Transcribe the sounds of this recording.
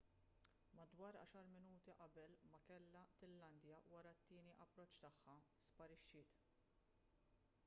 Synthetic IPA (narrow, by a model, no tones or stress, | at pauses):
mɐd̪wɐːɾɐ̰ːʃɐɾmɪnuːt̪iʔɐbɛlmɐkɛlːɐt̪ɪlːɐnd̪jɐwɐɾɐt̪ːɪːniʔɐpːɾɔt͡ʃːt̪ɐħːɐspɐɾɪʃːɪːt̪